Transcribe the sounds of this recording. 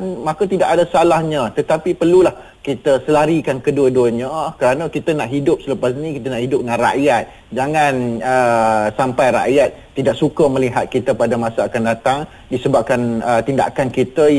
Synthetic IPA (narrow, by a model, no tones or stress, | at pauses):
nmãkət̪idaʔadasalahɲat̪ət̪apipərlulah | kit̪əsəlaɾikankəduədoɲakəɾanakit̪ənaʔɦidʊp̚sələpas̬nĩkit̪ənaʔhidʊp̚ŋaŋra̰ʔjat̪̚ | d͡ʒaŋanəsampajɾa̰ʔjat̪̚ːidaʔ̚sukəməliɦat̪̚kit̪əpadamãsaakandat̪aŋ | disəbap̚kanət̪inda̰kankit̪ə